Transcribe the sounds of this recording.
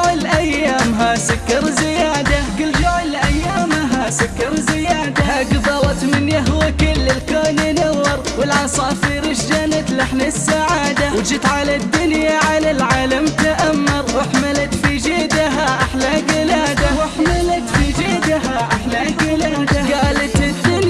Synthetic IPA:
ʕɪlʔajːaːmɦasʊkːɑɾˤzɪjaːd̪aɡɪld͡ʒaʕɪlʔajːaːmɦasʊkːɑɾˤzɪjaːd̪ahaɡðˤɑwɑt̪mɪnjaɦʊwakɪlːɪlkoːnɪnawːɑɾˤwɪlʕɑsˤɑːfiɾɪʃd͡ʒanat̪laħnasːaʕaːd̪awd͡ʒɪt̪ʕalad̪ːʊnjaʕalalʕaːlamt̪aʔamːɑɾˤwaħmalat̪fid͡ʒɪd̪aɦaʔaħlaɡɪlaːd̪awaħmalat̪fid͡ʒɪd̪aɦaʔaħlaɡɪlaːd̪aɡaːlat̪ɪd̪ɪn

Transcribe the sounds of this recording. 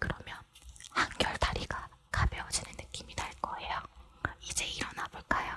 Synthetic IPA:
kɯɾʌmjʌnhanɡjʌɭtaɾiɡakabjeʌd͡ʑinɯnːɯk͈imitaɭk͈ʌejoid͡ʑe̞iɾʌnaboɭk͈ajo

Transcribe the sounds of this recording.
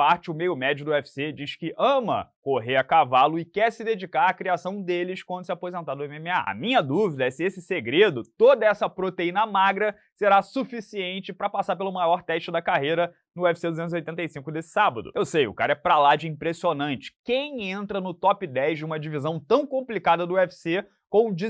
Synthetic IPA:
paɾt͡ʃɪʊmejʊmɛd͡ʒʊd̪ʊɛfi̥sed͡ʒiʃkɪʔɐ̃mɐ̰koɦeɐkavalʊɪkɛɾsɪd̪ed͡ʒikaɾakɾiasɐ̃w̃d̪elɪskwɐ̃nd̪ʊsɪapozẽnt̪ad̪ʊẽmẽmɪa̰ɐ̰mĩɲɐd̪uvid̪ɐɛsɪesɪseɡɾed̪ʊt̪od̪ɐɛsɐpɾot̪eĩnɐmaɡɾɐ | seɾasufisiẽnt͡ʃɪpɾɐpasaɾpelʊmajɔɾt̪ɛʃt͡ʃɪd̪ɐkaɦejɾɐ | nʊɛfi̥sed̪uzẽt̪ziojt̪ẽnt̪ejsĩŋkʊd̪esɪ̥sabɐd̪ʊ̰ewsejʊ̰kaɾɐɛpɾɐlad͡ʒɪĩmpɾesionɐ̃nt͡ʃɪ̥kẽj̃ẽnt̪ɾɐnʊt̪ɔpɪd̪ɛjzd͡ʒɪũmɐd͡ʒivizɐ̃w̃t̪ɐ̃w̃kõmplikad̪ɐd̪ʊɛfi̥se | kõw̃d͡ʒi

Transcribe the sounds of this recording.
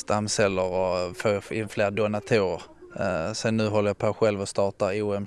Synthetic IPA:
st̪amːsɛlːəɾɔføːɪnːfleːɾd̪ʊnat̪ʰuːɾəɾ | sɛnːʉ̟ːɦɔlːəjapʰoːɧɛlvɔst̪ɑːʈaɾuːɛm

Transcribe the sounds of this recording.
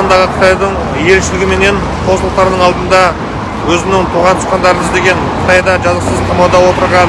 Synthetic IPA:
ɑnd̪ɑʁəqʰə̥t̪ɑjd̪əɴ | je̞lʃɪlɪɡʲɪme̞ne̞n | qʰo̞slˠt̪ːɑɾnəɴɑlˠd̪ənd̪ɑ | wɵzɪnɪŋt̪ʰuʁɑnt̪ʰʊ̥sqɑnd̪ɑɾənɪzd̪e̞ɡʲe̞ɴʰ | qʰə̥t̪ɑjd̪ɑʒɑzəqsəzq̪ʰɑmɑwd̪ɑwo̞t̪əɾʁɑ

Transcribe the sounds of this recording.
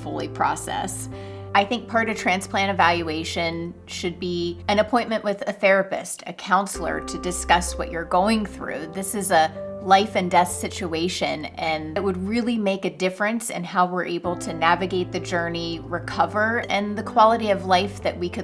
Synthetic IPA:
folˠipʰɹ̥ɔ̰sɛ̰s | aɪθɪ̃ŋk̚pʰɑɹɾʌɨtʰɹ̥æ̃nspl̥æ̃ɾ̃ɨvælˠjʉeɪʃɨ̃n | ʃɨd̚biɨ̃ñɨpʰɔ̃ɪ̃nmɨ̃nʔwɨðɨθɛɹɨpɨ̰stʰɨkʰãʊ̃nsl̩ˠə̰˞ɾɨdɨskʌswʌ̰t͡ʃə˞ɡoʊɪ̃ŋθɹʉ̰ðɪsɨzəlaɪfɨ̃ndɛθsɪt͡ʃueɪʃɨ̃nɨ̃nt̚wəd̚ɹɪlˠimeɪkɨdɪfɹɨ̃nsɨ̰̃nhaʊwɪɹʔeɪbl̩ˠtʰɨnævɨɡeɪt̪̚ðɨd͡ʒɜ˞niɹɨkʰʌvə˞ɨ̃nðɨkʰw̥ɑlˠəɾiʌvlaɪfðɨʔ̚wikʰɨ

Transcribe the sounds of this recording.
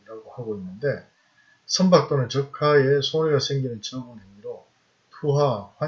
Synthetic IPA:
ɾaɡohaɡoinːɯnde̞ | sʰʌmbak̚t͈onɯnt͡ɕʌkʰaesʰoɾiɡasʰe̞ŋɡinɯnt͡ɕʰiʌŋoneŋiɾo | tʰuɦaɸwa

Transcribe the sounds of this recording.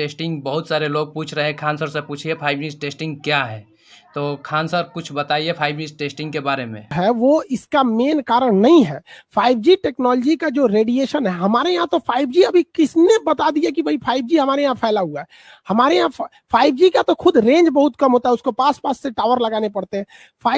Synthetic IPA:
ʈeːsʈɪ̃ŋɡbɐɦʊt̪saːɾeloːɡ̚puːt͡ʃʰɾɐɦẽkʰaːnsəɾsepuːt͡ʃʰiepʰaːɪbd͡ʒiːsʈeːsʈɪ̃ŋɡ̚kjaːɦɛː | t̪oːkʰaːnsəɾkʊt͡ʃʰbɐt̪aːiepʰaːɪbd͡ʒiːsʈeːsʈɪ̃ŋɡ̚kebaːɾemẽɦɛʋoɪskameːnkaːɾəɽnɐɦĩɦɛːpʰaːɪb̚d͡ʒiʈeːknɔːld͡ʒikad͡ʒoːɾeːɖieːʃənɦɛɦɐmaːɾeãːt̪opʰaːɪbd͡ʒiɐbʱikɪsnebɐt̪ad̪iakibʱɐipʰaːɪb̚d͡ʒiɦɐmaːɾeãpʰaːlaɦuaɦɛ | hɐmaːɾeã | pʰaːɪbd͡ʒikat̪oxʊd̪ʱɾẽːnd͡ʒbɐɦʊt̪kɐmɦoːt̪aɦɛʊskopaːspaːsːeʈaːʋəɾlɐɡaːnepɐɽt̪eɦɛ̃ː | pʰaː

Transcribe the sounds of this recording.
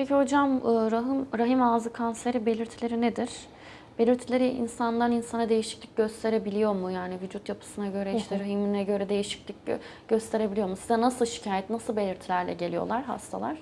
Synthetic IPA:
ɛciho̞d͡ʒamːɾaɦɯmɾaɦimaːzɯkʰanse̞ɾibe̞lʲiɾt̪ʰilʲe̞ɾined̪iɾ̥ | b̥elʲiɾt̪ʰilʲe̞ɾiʔḭnsand̪ˠaninsanad̪e̞jiʃi̥clʲic̚ɟø̞st̪ʰe̞ɾe̞bilʲijo̞ɾmujaːnivyd͡ʒut̪japʰɯ̥sɯnaɟø̞ɾɛiʃt̪ʰɛɾaɦiminɛɟø̞ɾɛd̪e̞jiʃi̥clʲic̚ | ɟ̥øst̪ʰe̞ɾe̞bilʲjo̞ɾmusizɛnasɯlˠʃi̥cʰaːjɛt̪nasɯlˠbe̞lʲiɾt̪ʰilʲæɾlʲɛ̰ɟe̞lʲijo̞̰lˠaɾɦa̰st̪ʰa̰lˠaɾ̥

